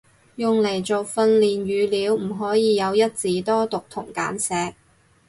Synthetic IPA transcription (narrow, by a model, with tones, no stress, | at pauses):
jʊ˨ŋle˨˩jt͡so˨wfɐ˧nliː˨nɥyː˨˧liː˨˧wm̩˨˩ɦɔː˨˥jiː˨˧jɐ˨˧wjɐ˥t̚t͡siː˨˥t̪ɔː˥t̪ʊ˨k̚t̪ʰʊ˨˩ŋka̰ː˨˥nsɛː˨˧k̚